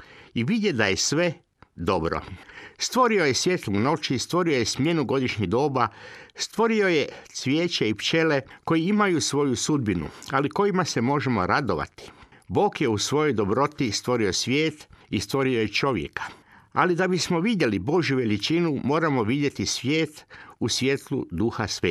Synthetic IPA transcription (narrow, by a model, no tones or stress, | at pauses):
iʋid̪je̞d̪aje̞sʋe̞ | d̪o̞bɾo̞̰st̪ʋo̞ɾiojesʋje̞ːt̪luno̞t͡ʃist̪ʋo̞ɾio̞jesmje̞nuɡo̞d̪iʃɲiɦd̪o̞ːbast̪ʋo̞ɾio̞jesʋjeːt͡ʃeipt͡ʃe̞le̞ko̞jiimajusʋo̞jusud̪̚binṵaliko̞jimase̞mo̞ʒe̞mo̞̰ɾad̪oʋa̰t̪i̥ | bo̞ːkjeusʋo̞jo̞jd̪o̞bɾo̞t̪ist̪ʋo̞ɾio̞sʋje̞ːt̪ist̪ʋo̞ɾiojet͡ʃo̞ʋjḛkḁa̰lid̪abismo̞ʋid̪je̞libo̞ʒjuʋe̞lit͡ʃinumo̞ːɾamo̞ʋid̪je̞t̪isʋʲje̞ːt̪usʋje̞t̪lṵd̪uxasʋeː